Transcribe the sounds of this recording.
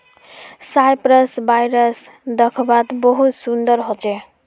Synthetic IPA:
sajpɾəsbajɾəs | d̪əkʰbat̪bəɦut̪sund̪əɾɦot͡ʃɛ

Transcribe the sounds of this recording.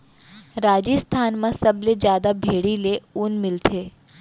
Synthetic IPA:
ɾaːd͡ʒist̪ʰaːnmãsɐbled͡ʒjaːd̪abʱeːɽileunmɪlt̪ʰeː

